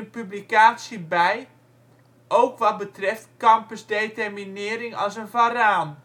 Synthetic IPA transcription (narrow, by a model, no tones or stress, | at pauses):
ənpyblikaːtsjəbɛj | ʔowkʋɔt̚bətrɪftkɑmpəsdetɛrminɪəɾɪŋɔ̰lˠsənvaraːn